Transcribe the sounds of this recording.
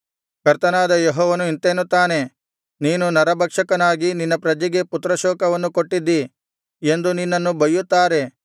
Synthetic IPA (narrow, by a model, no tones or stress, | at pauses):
kɐɾt̪ɐnaːd̪ɐjeɦɔːʋɐnuint̪eːnut̪ːaːne̞ | niːnunɐɾɐbʱɐkʂɐkɐnaːɡininːɐpɾɐd͡ʒiɡe̞put̪ɾɐʃɔːkɐʋɐnːuko̞ʈːid̪ːi | e̞nd̪uninːɐnːubɐjut̪ːaːɾe̞